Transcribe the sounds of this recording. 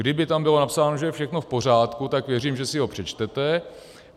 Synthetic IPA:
ɡdɪbɪt̪ambɪlo̞napsaːnoʒɛjɛfʃɛxno̞fpo̞r̝aːt̪kut̪akvjɛriːmʒɛsɪɦo̞pr̝̥ɛt͡ʃt̪ɛt̪ɛ

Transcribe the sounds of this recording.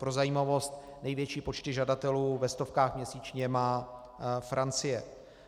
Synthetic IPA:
pɾo̞zajiːmavo̞st̪nɛjvjɛt͡ʃiːpo̞t͡ʃt̪ɪʒadat̪ɛluːvɛst̪o̞fkaːxmɲɛsiːt͡ʃɲɛmaː | fɾʔant͡sɪjɛ

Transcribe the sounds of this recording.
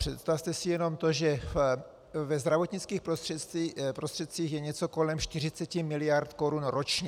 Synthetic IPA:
pr̝̥ɛt̪st̪aft̪ɛsɪjɛno̞mt̪o̞ʒɛf | vɛzd̪ɾavo̞t̪ɲɪt͡skiːxpɾost̪r̥ɛt̪ipɾost̪r̥ɛt̪̚t͡siːxjɛɲɛt͡soko̞lɛmʃt̪ɪr̝ɪt͡sɛcɪmɪlɪjaɾt̪ko̞ɾunɾot͡ʃɲɛ

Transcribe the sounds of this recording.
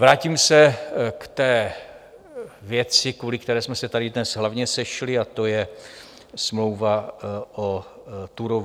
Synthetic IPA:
vɾaːcimsɛkt̪ɛː | vjɛt͡sɪkvulɪkt̪ɛɾɛːsmɛsɛt̪aɾɪdnɛsɦlavɲɛsɛʃlɪat̪o̞jɛ | smlo̞wvaʔo | t̪uɾov

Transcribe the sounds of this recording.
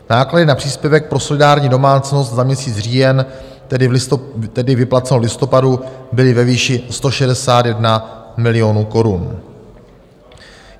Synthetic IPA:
naːkladɪnapr̝̥iːspjɛvɛk̚pɾo̞so̞lɪdaːɾɲiːdo̞maːt͡sno̞st̪zamɲɛsiːt͡sr̝iːjɛn | t̪ɛdɪt̪ɛdɪvɪplat͡sɛnolɪst̪o̞padubɪlɪvɛviːʃɪst̪o̞ʃɛdɛsaːt̪jɛdnamɪlɪjo̞nuːko̞ɾun

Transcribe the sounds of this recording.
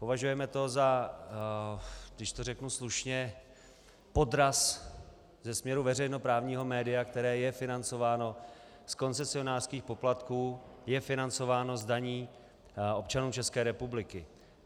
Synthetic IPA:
po̞vaʒujɛmɛt̪o̞za | ɡdɪʃt̪o̞rɛknusluʃɲɛ | po̞dɾas | zɛsmɲɛɾuvɛrɛjno̞pɾaːvɲiːɦo̞mɛːdɪjakt̪ɛɾɛːjɛfɪnant͡so̞vaːno̞ | sko̞nt͡sɛsɪo̞naːr̥skiːxpo̞plat̪kuːjɛfɪnant͡so̞vaːno̞zdaɲiː | o̞p̚t͡ʃanuːt͡ʃɛskɛːɾɛpublɪkɪ

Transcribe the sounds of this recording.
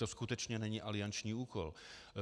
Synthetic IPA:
t̪oskut̪ɛt͡ʃɲɛnɛɲiːʔalɪant͡ʃɲiːuːkɔl

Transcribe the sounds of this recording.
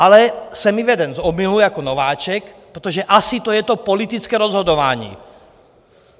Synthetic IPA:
alɛsɛmiʋɛd̪ɛnzɔmilujakɔnɔʋaːt͡ʃɛkpɾɛt̪ɔʒɛʔasit̪ɔjɛt̪ɔpɔlit̪it͡skɛːɾɔzɦɔd̪ɔʋaːɲḭː

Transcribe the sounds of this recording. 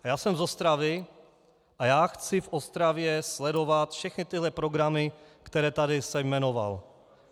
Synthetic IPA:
jaːsɛmzost̪ɾavɪ | ʔajaːxt͡sɪfʔost̪ɾavjɛslɛdo̞vat̪fʃɛxnɪt̪ɪɦlɛpɾoɡɾamɪkt̪ɛɾɛːt̪adɪsɛjmɛno̞va̰l

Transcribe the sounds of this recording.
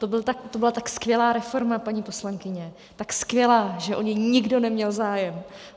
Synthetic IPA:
t̪obɪlt̪akt̪obɪlat̪akskvʲjɛlaːɾɛfo̞ɾmapaɲiːpo̞slaŋkɪɲɛ | t̪akskvʲjɛlaːʒɛʔoɲɪɲɪɡdo̞nɛmɲɛlzaːjɛm

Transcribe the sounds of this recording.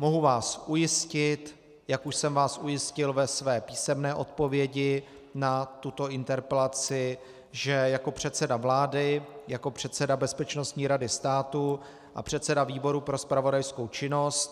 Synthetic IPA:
mo̞ɦuvaːsʔujɪscɪt̪ | jakuʃsɛmvaːsʔujɪscɪlvɛsvɛːpiːsɛmnɛːʔo̞t̪̚po̞vjɛɟɪ | nat̪ut̪o̞ʔɪnt̪ɛɾpɛlat͡sɪ | ʒɛjako̞pr̝̥ɛt̪sɛdavlaːdɪjako̞pr̥ɛt̪sɛdabɛspɛt͡ʃno̞st̪ɲiːɾadɪst̪aːt̪u | ʔa̰pr̥ɛt̪sɛdaviːbo̞ɾupɾo̞spɾavo̞dajsko̞wt͡ʃɪno̞st̪

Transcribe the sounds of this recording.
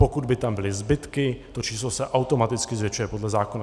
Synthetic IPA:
pokud̪bɪt̪ambɪlɪzbɪt̪kɪt̪ot͡ʃiːslosɛʔawt̪o̞mat̪ɪt͡skɪzvjɛt͡ʃujɛpo̞dlɛzaːkona

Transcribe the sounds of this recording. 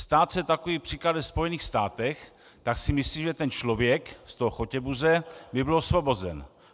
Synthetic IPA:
st̪aːt̪sɛt̪akoviːpr̥iːklad̪vɛspo̞jɛniːxst̪aːt̪ɛx | t̪aksɪmɪsliːmʒɛt̪ɛnt͡ʃlo̞vjɛkst̪oɦoxo̞cɛbuzɛmɪbɪlosvobo̞zɛ̰n

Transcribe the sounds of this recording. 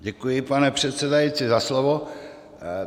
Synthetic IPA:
ɟɛkujɪpanɛpr̝̥ɛt̪sɛdajit͡sɪzaslovo

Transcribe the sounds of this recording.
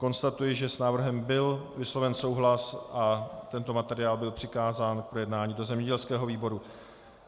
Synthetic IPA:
ko̞nst̪at̪ujɪʒɛsnaːvr̩ɦɛmbɪlvɪslo̞vɛnso̞wɦlasʔat̪ɛnt̪o̞mat̪ɛɾɪaːlbɪlpr̝̥ɪkaːzaːnk̚pɾojɛdnaːɲiːdo̞zɛmɲɛɟɛlskɛːɦo̞viːbo̞ɾu

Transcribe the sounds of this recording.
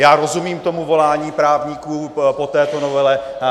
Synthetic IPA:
jaːɾo̞zumiːmt̪o̞muvo̞laːɲiːpɾaːvɲikuːpo̞t̪ɛːt̪onovɛlɛ

